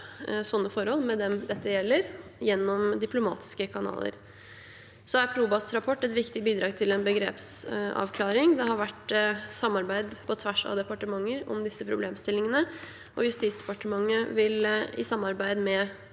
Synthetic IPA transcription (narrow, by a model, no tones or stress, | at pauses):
sɔnːəfɔɾhɔlːmɛd̪ɛmd̪ɛt̪ːəjɛlːəɾjɛnːɔmd̪ɪpʰlʊmɑ̰ːt̪ʰɪ̥skəkʰɑnɑ̰ːlə̰ɾ | sɔæɾpʰluːbɑsɾɑpʰɔʈːɛt̪ʋɪkt̪ɪbiːd̪ɾɑːɡt̪ʰɪlɛnbəɡɾḛːpsɑ̰ʋkʰlɑːɾɪŋd̪ɛhɑɾʋæʈsɑmːɑɾbæɪd̪pʰɔt̪ʰʋæʂɑ̰d̪ɛpɑʈəmɑŋːəɾɔ̰md̪ɪsːəpʰɾʊbleːmst̪ɪlːɪŋənə | ʔɔjʉst̪iːt̪sd̪ɛpɑʈəmɑŋːəʋɪlɪ̰sɑmːɑɾbæɪd̪mɛ